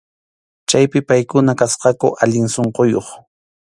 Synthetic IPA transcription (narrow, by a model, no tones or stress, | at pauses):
t͡ʃajpɪpajkʊnakasqɑkʊʔaʎɪŋsoɴqojoχ